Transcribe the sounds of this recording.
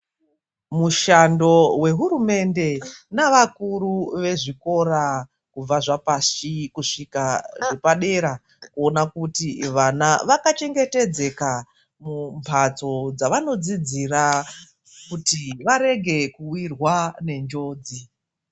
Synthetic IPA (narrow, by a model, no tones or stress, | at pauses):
muʃando̞we̞ɦuɾume̞nde̞naʋakuɾuʋe̞ʐiko̞ɾa | kub͡vaʐapasikuʂikaʐepaɗe̞ɾa | kuo̞nakutiʋanaʋakat͡ʃe̞ŋɡe̞te̞d͡ze̞ka | mumpʰat͡so̞d͡zaʋano̞d͡zid͡zira | kutiʋaɾe̞ɡʱe̞kuwirwane̞nd͡ʒo̞ːd͡zi